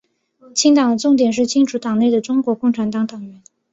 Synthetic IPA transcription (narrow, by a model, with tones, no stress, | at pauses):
t͡ɕʰi˥ŋt̪ɑ˨˩ŋd̪ə˦ʈ͡ʂʊ˥˩ŋt̪jɛ˨˩nʂ̬ɻ̩˥˩t͡ɕʰi˥ŋʈ͡ʂʰu˧˥t̪ɑ˨˩ŋne˥˩ɪə˩ʈ͡ʂʊ˥ŋkwɔ˧˥kʊ˥˩ŋʈ͡ʂʰa˧˥nt̪ɑ˧˥ŋt̪ɑ˨˩ŋɥɛ˧˥˦n